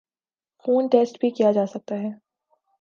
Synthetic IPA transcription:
xuːnʈeːsʈbʱikijad͡ʒaːsɐk̚t̪aɦɛː

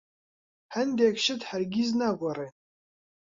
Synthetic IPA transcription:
ħandjakʰʲʃɪtħarɡʲiznaɡʷarej

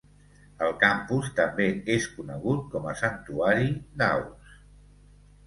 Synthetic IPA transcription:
əlˠkampust̪əmbeeskunəɣ̞ut̪̚kɔməsənt̪uaɾid̪a̰ws

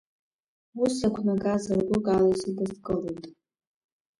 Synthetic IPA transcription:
usakʷʰnaɡʼazardukʼalasɨdazkʼɨlojtʼ

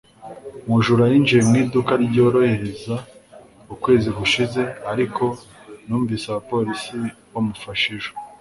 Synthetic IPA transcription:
muʒuɾajind͡ʒemŋiːdukaɾɟɟo̞ːɾo̞heɾeza | ukwe̞ːziɡuʃize̞aɾikʰo̞nuːɱviːsaβapo̞ɾisiwomufaʃiʒo

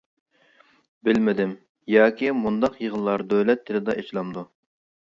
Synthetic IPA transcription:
bɪlmɪd̪ɪm | jɑːkʲʰimund̪ɑqjəʁəlˠːɑɾd̪ølɛt̪ʰːɪlɪd̪ɑʔet͡ʃlˠɑmd̪u

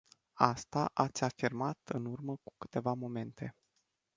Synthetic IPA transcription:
ast̪aʔat̪sʲafirmat̪ɨnurməku̥kɨ̥t̪e̞vamo̞me̞nt̪ʰe̞

